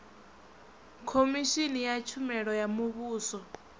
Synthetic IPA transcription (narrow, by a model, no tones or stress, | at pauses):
kʰomiʃinijat͡ʃʰumɛɺɔjamuβuːsɔ